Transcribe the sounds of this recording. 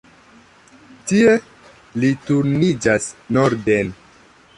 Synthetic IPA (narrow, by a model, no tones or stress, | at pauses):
tie̞ | lituɾnid͡ʒasnoɾden